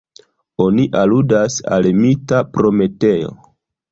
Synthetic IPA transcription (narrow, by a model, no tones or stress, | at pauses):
o̞niʔaludasa̰lmitapɾo̞me̞te̞jo̞̰